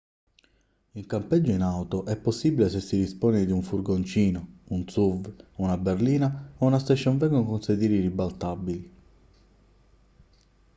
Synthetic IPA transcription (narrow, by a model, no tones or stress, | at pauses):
iŋkampɛd͡ʒːoinawt̪oʔɛpːosːibilesesːid̪ispoːnid̪iuɱfuɾɡont͡ʃiːnɔunt̪suvunaberliːnaounast̪eʃːɔɱvɛŋɡonkonsed̪iːɾiɾibalt̪abili